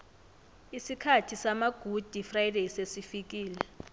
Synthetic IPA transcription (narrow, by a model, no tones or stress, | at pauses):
isikʰatʰisamaɡ̥ʱud̥ʱifrajdejsesifik̬iːlɛ